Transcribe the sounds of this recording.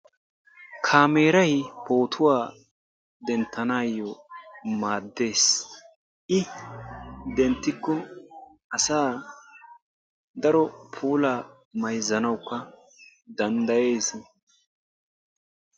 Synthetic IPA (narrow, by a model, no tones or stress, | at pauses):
kʰaːme̞ːɾɐjho̞ːt̪ʰʊwaː | d̪ɛnt̪ːɐnaːjːɔmaːd̪ːe̞ːs | ʔɪ | d̪ɛnt̪ːɪkːɔ | ʔɐsaː | d̪ɐɾɔpʰuːlaː | mɐjzɐnɐwkːɐ | d̪ɐnd̪ɐje̞ːsn